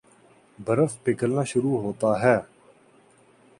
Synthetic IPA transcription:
bʱəɾəfpɪkəlnaːʃʊɾuːɦoːt̪aːɦɛː

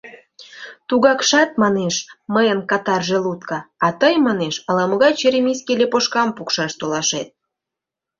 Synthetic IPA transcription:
t̪uɣɑkʃɑt̪̚mɑneʃməjənkɑt̪ɑrʒelut̪kɑɑt̪əjmɑneʃɑlɑmə̆ɣɑjt͡ɕeɾʲemʲiskelʲepoʃkɑmpukʃɑʃt̪olɑʃet̪̚

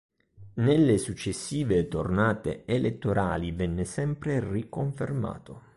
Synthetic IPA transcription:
nelːesut͡ʃːesːiːvet̪ornaːt̪ḛːlʔet̪ːoɾʔaːlivɛnːɪsɛmpɾerikoɱferma̰ːt̪o

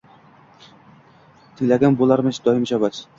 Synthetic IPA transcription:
t̪ʰɪŋʲlaɡʲanbolˠaɾmɪʃd̪ɒjɪmʃabat͡ʃ

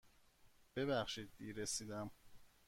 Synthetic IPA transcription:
b̥e̞βæxʃiːd̪ːiːɾesiːd̪æm

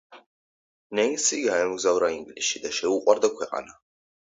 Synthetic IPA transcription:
nɛinsiɡaɛmɡzavɾaiŋɡliʃʃid̪aʃɛuqʼwaɾd̪akʰwɛqʼa̰na

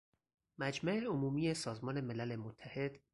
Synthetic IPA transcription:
mæd͡ʒmæʔeomuːmije̞sɒːzmɒːne̞me̞lælemot̪ʰːæhe̞d̪̥

